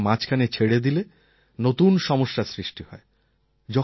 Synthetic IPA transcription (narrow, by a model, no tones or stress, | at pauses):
mat͡ɕʰkʰanet͡ɕʰeɽed̪ile | not̪unʃɔmoʃːasɾiʃʈihɔe | d͡ʑɔ